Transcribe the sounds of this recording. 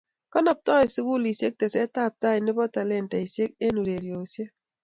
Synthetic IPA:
kɔ˦nɔ˨p̚tɔ˦i˨su˦ku˦˨li˨se˦k̚tɛ˨sɛ˦ta˦˨p̚ta˦ɪ˨nɪ˦bɔ˦ta˨lɛ˦˨nta˨i˨sje˦k̚e˦nu˨ɾe˨ɾjo˨sje˦

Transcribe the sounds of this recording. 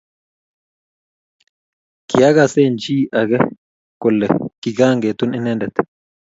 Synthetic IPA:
kɪ˨ja˦ɡa˨seːnt͡ʃiː˦ʔɐ˨ɡɛ˦ | kɔ˨lːɛ˨kɪ˨ɡaː˦ŋɡeː˨t̪ʊnɪ˦nɛ˦nd̪ɛ˨t̪

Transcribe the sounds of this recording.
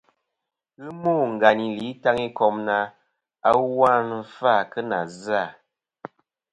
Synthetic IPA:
ɣɨ˦moː˦˨ŋ̩˨ɡa˨ni˨li˨˦ta˦ŋi˦kɔ˨mna˨ | a˦wa˦n˦fa˦˨kə˦na˨za˦˨

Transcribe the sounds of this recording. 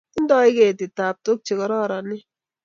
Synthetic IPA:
n̩˦dɔ˦i˦ke˨tɪ˨ta˨p̚to˦k̚t͡ʃi˨kɔ˨ɾɔ˦˨ɾɔ˨nɪ˦

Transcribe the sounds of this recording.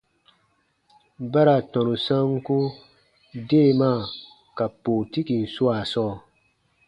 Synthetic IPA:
ba˦ɾa˨tɔ̃˨nu˨sã˦ŋ˦ku˦ | deː˦˨maː˦˨ | ka˨poː˨ti˦ki˨n̩˨su˦a˨sɔː˦˨

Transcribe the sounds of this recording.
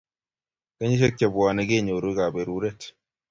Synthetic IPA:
ka˦ɲi˦ʃ̬ɛ˦kːɛ˨bu˨waː˨nɛ˦ɡe˦˨ɲo˨ɾu˦ɡa˨bɛ˨ɾu˦ɾɛ˦t

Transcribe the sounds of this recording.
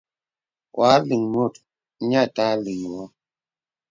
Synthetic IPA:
wʔa˨˦li˨ŋmo˦˨t | ɲa˦˨ta˦li˨ŋ˨wɔ˦

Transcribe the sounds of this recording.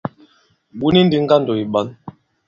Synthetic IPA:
bu˦ni˦n̩˦di˦ŋ̩˦ɡa˦n̩˨dɔ˨i˨ɓa˨˦n

